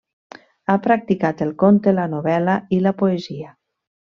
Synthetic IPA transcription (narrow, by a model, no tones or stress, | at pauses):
apɾak̚t̪ikat̪elˠkont̪elanoβɛlailapoezia